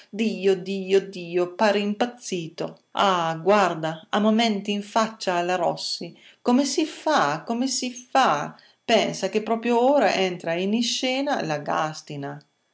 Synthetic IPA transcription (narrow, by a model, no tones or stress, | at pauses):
d̪iːod̪iːod̪iːopaːɾeimpat̪sːiːt̪o | a̰ɡward̪aamomɛnt̪iːɱfat͡ʃːaːlaɾɔsːi | komesifakomesifa | pɛnsakepːɾɔːpɾjooːɾaʔɛnt̪ɾainiʃɛːnalaɡa̰st̪ina